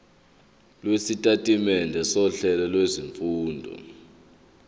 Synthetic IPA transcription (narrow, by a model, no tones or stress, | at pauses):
lwesitʼatʼimɛndʱɛsɔɬɛlɛlweziɱfuːndʱɔ̰